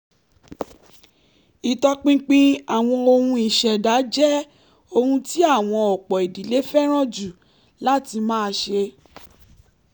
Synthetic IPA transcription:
i˨tɔ˧k͡pĩ˦k͡pĩ˦a˨w̃ɔ̃˧o˧hũ˧i˨ʃɛ˨da˨˦d͡ʒɛ˦ | o˧hũ˧ti˦a˦˨w̃ɔ̃˧ɔ˨k͡pɔ˨e˨di˨le˨˦fɛ˦ɾ̃ɔ̃˦d͡ʒu˨ | la˦ti˧mãː˦˧ʃe˧

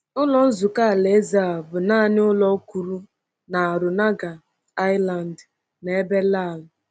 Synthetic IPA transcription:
ʊ˦lɔ˦n̩˦zu˨ka˦a˨le˨˦za˨a˨bʊ˨naː˦˨nɪ˦ʊ˦lɔ˦ku˨ɾu˦ | na˨a˨ɾʊ˨na˦ɡa˨ | a˦jla˨n˨d | ne˨e˦be˦la˦˨lʊ˨

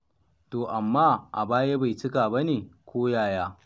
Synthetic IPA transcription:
toː˨ʔa˨mːaː˦ʔa̰˨baː˦je˦ba˨jt͡ʃɪ˦kaː˨bɐ˦neː˨kʷoː˦jaː˦˨jaː˦

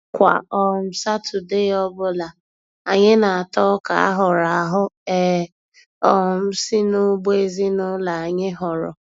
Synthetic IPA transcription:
kʷa̰˨ɔ˦˨m̩˨sa˦tʰʊ˨de˦ɔ˦bʊ˦la˨ | a˨ɲɪ˦na˨a˨tɔ˦ka̰˨a̰˦ɦʊ˨ɾa˨ɦʊ˦ɛ˦˨ | ɔ˦˨m̩˦si˦nʊ˦ɡ͡be˦zi˦nʊ˦la˨a˨ɲɪ˦ɦɔ˨ɾɔ̰˨

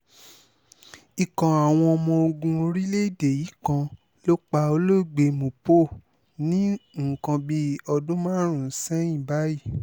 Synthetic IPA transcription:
i˨kã˨a˨w̃ɔ̃˧ɔ˧mɔ̃˧o˧ɡũ˧ɾi˦le˦˨de˨ji˨˦kã˧ | lo˦k͡pa˧o˧lo˦˨ɡ͡be˧mõ˨po˦˨ | nĩ˦ŋ̩˨kã˧bi˧ɔ˧dũ˦mã˦ɾ̃ũ˨n̩˦sɛ̃˦ĩ˦˨ba˨˦ji˦˨

